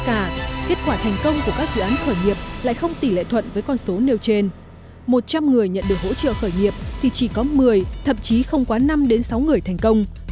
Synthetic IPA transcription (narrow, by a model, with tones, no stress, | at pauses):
kaː˧˩ke˦˥t̚kwaː˧˩t̪ʰɛ˨˩ŋ̟kə˧wŋ͡mku˧˩əkaː˦˥k̚zɨ̰˧˨aː˨˦nxəː˧˩jŋi˨˩əp̚la̰ː˧˨jxə˧wŋ͡mt̪i˧˩lḛ˧˨t̪ʰwə̰˧˨nvəː˨˦jkɔ˧nso˨˦ne˧wt͡ɕe˧n | mo˨˩t̚t͡ɕa˧mŋɨ˨˩əjɲə̰˧˨nɗɨ˨˩ək̚ho̰˧˥t͡ɕə̰ː˧˨xəː˧˩jŋi˨˩əp̚t̪ʰi˨˩t͡ɕi˧˩kɔ˨˦mɨ˨˩əjt̪ʰə̰˧˨mt͡ɕi˨˦xə˧wŋ͡mkwaː˨˦na˧mɗe˨˦nsa˨˦wŋɨ˨˩əjt̪ʰɛ˨˩jŋ̟kə˧wŋ͡m